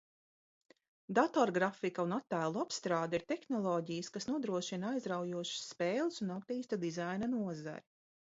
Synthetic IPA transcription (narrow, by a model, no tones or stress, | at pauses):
d̪at̪ɔɾɡɾafikaunat̪ːæːlˠuapst̪ɾaːd̪aiɾt̪exnɔlˠɔːɟijəskasnuɔd̪ɾuɔʃinaajzɾawjuɔʃsːpeːlˠsunap̚t̪iːst̪ad̪izajnanuɔza̰ɾi